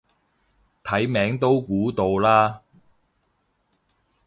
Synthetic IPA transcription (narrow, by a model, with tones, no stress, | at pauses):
t̪ʰɐ˨˥jmɛː˨˥ŋt̪o˥wkuː˨˥t̪o˧wlaː˥